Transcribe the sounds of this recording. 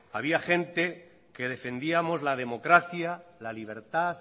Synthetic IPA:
aβ̞iaxẽ̞nt̪e̞ | ke̞ðe̞fe̞nd̪iamo̞zlaðe̞mo̞kɾaθjalaliβ̞e̞ɾt̪aθ

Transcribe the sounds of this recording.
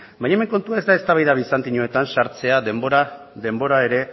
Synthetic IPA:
baɲaeme̞ŋko̞nt̪uaezd̪ae̞st̪aβajðaβisant̪iɲo̞e̞t̪ansaɾt͡se̞aðe̞mbo̞ɾa | ðe̞mbo̞ɾae̞ɾe̞

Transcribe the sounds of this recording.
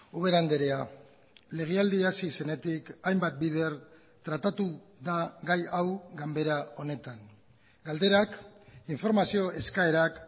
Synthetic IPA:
uβ̞e̞ɾand̪e̞ɾea | le̞ɣ̞eald̪iasise̞ne̞t̪ikajmbat̪̚biðe̞ɾ | t̪ɾat̪at̪uðaɣajawɡambe̞ɾao̞ne̞t̪aŋ | ɡald̪e̞ɾakiɱfo̞ɾmasio̞ʔe̞skae̞ɾak

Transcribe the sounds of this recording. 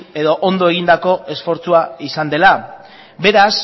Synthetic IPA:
e̞ðoʔond̪o̞e̞ɣ̞ind̪ako̞e̞sfo̞ɾt͡suaisand̪e̞la | be̞ɾas

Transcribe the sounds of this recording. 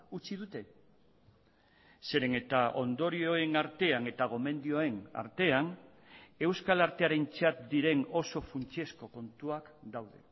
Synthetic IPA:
ut͡ʃiðut̪e̞ | se̞ɾe̞ne̞t̪aʔo̞nd̪o̞ɾio̞e̞naɾt̪e̞ane̞t̪aɣ̞o̞me̞nd̪io̞e̞na̰ɾt̪e̞an | e̞wskalaɾt̪e̞aɾe̞nt͡ʃat̪̚d̪iɾe̞no̞so̞funt͡ʃie̞sko̞ko̞nt̪uakd̪awðe̞̰

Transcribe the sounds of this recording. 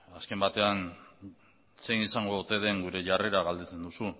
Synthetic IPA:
aske̞mbat̪e̞an | se̞jnisaŋɡo̞t̪e̞ðe̞ŋɡuɾe̞ʝare̞ɾaɣald̪et͡se̞nd̪usu

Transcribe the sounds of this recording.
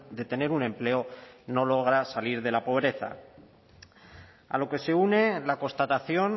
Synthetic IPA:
d̪e̞t̪e̞ne̞ɾunẽ̞mple̞ono̞lo̞ɣ̞ɾasaliɾðe̞lapo̞β̞ɾe̞θa̰ | a̰lo̞ke̞se̞une̞lako̞nst̪at̪aθjo̞n

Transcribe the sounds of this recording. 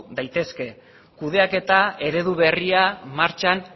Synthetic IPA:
d̪ajt̪e̞ske̞ | kuðe̞ake̞t̪ae̞ɾe̞ðuβ̞e̞riamaɾt͡ʃan

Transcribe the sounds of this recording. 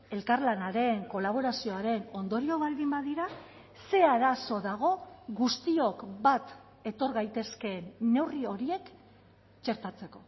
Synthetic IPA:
e̞lkaɾlanaɾe̞ŋko̞laβ̞o̞ɾasio̞aɾe̞no̞nd̪o̞ɾio̞βald̪imbaðiɾa | se̞aɾaso̞ðaɣ̞o̞ɣust̪io̞kβat̪ | e̞t̪o̞ɾɣajt̪e̞ske̞ːnːe̞wrio̞ɾie̞k | t͡ʃe̞ɾt̪at͡se̞ko̞

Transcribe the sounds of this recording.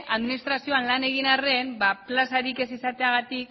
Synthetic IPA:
ʔaðminist̪ɾasio̞anlane̞ɣ̞inare̞mbaplasaɾike̞sisat̪e̞aɣ̞at̪ik

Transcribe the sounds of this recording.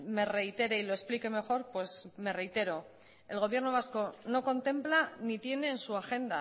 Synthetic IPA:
me̞re̞it̪e̞ɾe̞ilo̞esplike̞me̞xo̞ɾpwe̞sme̞re̞jt̪e̞ɾo̞ | e̞lɣo̞β̞je̞ɾno̞β̞asko̞no̞ko̞nt̪e̞mplanit̪je̞ne̞ːnsuaxe̞nd̪a

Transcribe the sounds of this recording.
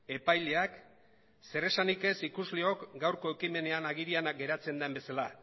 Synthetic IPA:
e̞pajle̞ak | se̞re̞sanike̞sikuzleo̞kɡawɾko̞e̞kime̞ne̞anaɣiɾianaɡe̞ɾat͡se̞nd̪embe̞sala

